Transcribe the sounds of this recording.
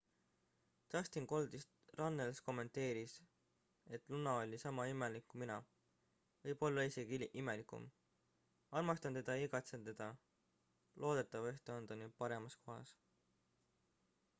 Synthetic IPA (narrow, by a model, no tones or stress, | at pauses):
t̪ɑst̪inko̞ld̪̥ist̪rɑnːelsko̞mːe̞nt̪e̞ːɾis | e̞t̪ːˑlunːɑo̞lʲisɑmɑime̞likːuminɑ | vɤjbo̞lːɑise̞ɡ̥iʔime̞likˑṵm | ɑlmɑst̪ɑnt̪e̞d̪̥ɑiɡ̥ɑt̪se̞nt̪ːe̞d̪̥ɑ | lʔo̞ːd̪̥e̞t̪ːˑɑve̞ht̪eond̪̥ɑnypɑɾe̞mɑsko̞ɦɑ̰s